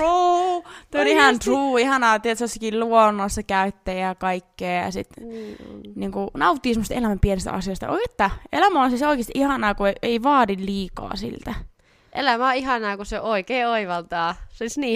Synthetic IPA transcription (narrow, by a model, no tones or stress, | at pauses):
ruːt̪eolihɑnt̪ruːihɑnɑːt̪iet̪sosːɑkilluonːˑoɑsːɑkæyt̪ːeːjɑkɑikːeːjɑ̰sit̪ | niːŋkunɑut̪ːiːsemːost̪elæmæmpienest̪ʔɑ̰sioist̪ɑ̰o̰iket̪ːæḛlæmæonseseoikest̪iʔihɑnɑːkueeiʋɑːdilliːkɑ̰ːsḭlt̪æ | ʔḛlæmæoihɑnɑːkuseoʔoikeːoiʋɑlt̪ɑːsolisniː